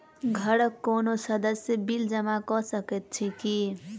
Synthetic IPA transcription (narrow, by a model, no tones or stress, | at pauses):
ɡʱəɽəkːonosəd̪əsjəbild͡ʒəmakɔsəket̪̚t͡ʃʰiki